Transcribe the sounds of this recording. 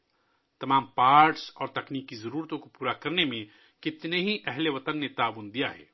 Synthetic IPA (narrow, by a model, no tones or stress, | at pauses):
t̪ɐmaːmpaːɾʈsɔːɾt̪ɐkniːkːizɐɾuːɾt̪õkopuːɾakɐɾnemẽ | kɪt̪neɦiʔɛɦleʋɐt̪ənːet̪aːbuːnd̪ijaɦɛ̰ː